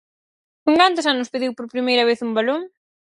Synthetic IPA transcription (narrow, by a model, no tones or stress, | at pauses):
nuŋkant̪ʊs̬anʊspeðiwpoɾpɾimejɾɐβ̞eθumbaloŋ